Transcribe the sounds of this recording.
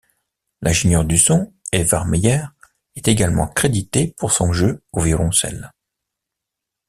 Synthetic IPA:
lʔɛ̃ʒeɲjœʁd̪ysɔ̃ɛvaʁmejɛʁ | ɛt̪eɡalmɑ̰̃kχed̪it̪epuʁsɔ̃ʒøovjɔlɔ̃sɛ̰l

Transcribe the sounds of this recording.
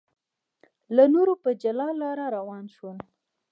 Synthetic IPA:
lanoɾopəd͡ʒalɑlɑɾaɾawɑnʃun

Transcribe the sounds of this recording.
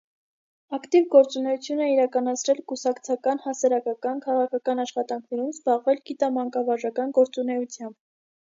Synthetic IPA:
ɑkt̪ivɡɔɾt͡sunɛjut͡sʰjunɛiɾɑkɑnɑt͡sʰɾɛlkusɑkt͡sʰɑkɑnhɑsɑɾɑkɑkɑnkʰɑʁɑkʰɑkɑnɑʃχɑt̪ɑŋkʰnɛɾumzbɑʁvɛlɡit̪ɑmɑŋkɑvɑʒɑkɑnɡɔɾt͡sunɛjut͡sʰjɑmb̥

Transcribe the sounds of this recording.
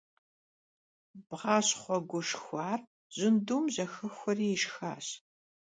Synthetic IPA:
b̥ʁɑːɕχʷɔɡʷʊʂxʷaːr | ʑ̥ɪnduːmʑɐxɨxʷɔriːjɪʃxa̰ːɕ

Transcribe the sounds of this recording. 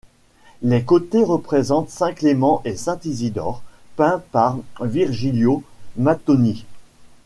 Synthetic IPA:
lekot̪eʁəpχezɑ̃t̪sɛ̃klemɑ̃ʔesɛ̃t̪izid̪ɔ̰ːʁpɛ̃paʁviʁʒiljomat̪ɔni

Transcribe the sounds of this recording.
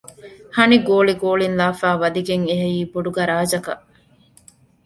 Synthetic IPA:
hɐniɡoːliɡoːlinlaːfæːʋɐd̪iɡeŋeɦejiːboɖuɡɐɾaːd͡ʒɐkɐ̰ʔ

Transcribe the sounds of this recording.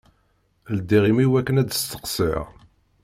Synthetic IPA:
ld̪ːiʁimiwækːənæd̪əst̪ə̥qsḭ

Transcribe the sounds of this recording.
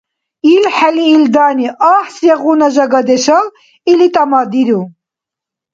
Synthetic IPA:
ilħɛliːld̪aːniʔaːħsjɛʁunaʒaɡad̪ɛʃa | ilit̪ʼamad̪iɾu

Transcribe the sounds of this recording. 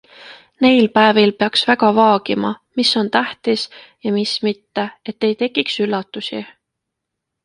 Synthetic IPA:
ne̞jlpæevilpe̞ɑksvæɡɑvɑːɡ̥imɑ̰misːo̞nt̪æht̪is | jɑmismit̪ːe̞e̞t̪ːe̞jt̪e̞kːˑiksylːɑt̪ːˑusḭ

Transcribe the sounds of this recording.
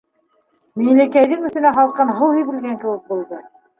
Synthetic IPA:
miŋlækæjðɘŋɵ̆θɘ̆næɦɑlˠqɤnɦɤwhijβɘ̆lɡæŋkɘ̆wɘk̚bulˠd̪ɤ

